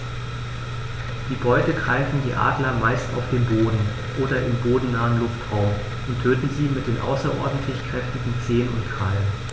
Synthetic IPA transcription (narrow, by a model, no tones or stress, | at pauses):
d̥iːbɔʏtəɡʁaɪfn̩diːʔa̰ːdlɐmaɪstʔa̰ʊfd̥eːnboːdn̩ | ʔoːdɐʔɪmboːdn̩nːaːənlʊftʁ̥aʊm | ʔʊntʰøːtn̩ziːmɪt̚d̥eːnʔa̰ʊsɐʔɔɐdn̩tʰlɪçkʁ̥ɛftɪɡŋ̩t͡seːənʊntɡʁ̥alən